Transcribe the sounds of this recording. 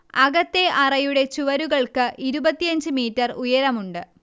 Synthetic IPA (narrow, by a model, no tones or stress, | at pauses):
ɐɣɐt̪ːe̞ʔɐrɐjuɽe̞t͡ɕuʋɐɾuɣɐɭkɨʔiɾubɐt̪ːijɐɲd͡ʑɨmiːtːɐrujɐɾɐmuɳɖɨ